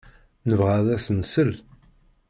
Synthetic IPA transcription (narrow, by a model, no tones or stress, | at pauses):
nəvʁaðæsənsəl